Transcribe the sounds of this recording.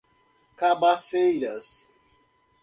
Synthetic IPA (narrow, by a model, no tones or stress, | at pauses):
kabasejɾas